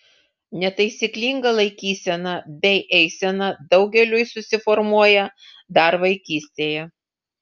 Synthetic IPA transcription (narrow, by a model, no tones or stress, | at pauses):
nʲɛt̪ɐɪsʲiːklʲiːˑŋɡɐlˠɐɪkʲiːsʲɛnɐbʲɛɪʔɛɪsʲɛnɐd̪ɒʊɡʲɛlʲʊjsʊsʲɪfɔɾmuɔjɛ | d̪ɐɾʋɐɪkʲiːsʲt̪ʲeːjɛ